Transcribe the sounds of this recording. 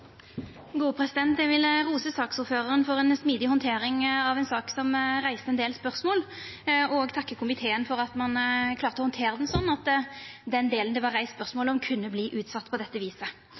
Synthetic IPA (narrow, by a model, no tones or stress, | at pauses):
ɡuːpʰɾɛsɪd̪ɛnt̪jɛʋɪlʁuːsəsɑːksuːɾføːʁəʁənfɔʁɛnsmiːd̪ɪhɔnt̪ʰeːɾɪŋɑʋɛnsɑːksɔmʁæɪst̪əɛnd̪eːlspœʁsmoːl | ɔɡt̪ʰɑkːəkʰʊmɪt̪ʰeːənfɔʁɑt̪mɑnkʰlɑːʁt̪əɔhɔnt̪ʰeːʁəd̪ɛnsɔnːɑt̪d̪ɛnd̪eːlənd̪ɛʋɑʁæɪsspœʁsmoːləɔmkʰʉnːəbliːʔʉːt̪sɑt̪ːpʰɔd̪ɛt̪ːəʋiːsə